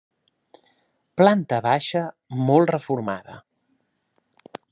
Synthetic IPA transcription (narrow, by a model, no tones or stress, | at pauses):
plant̪əβaʃə | mɔlˠrəfuɾma̰ðə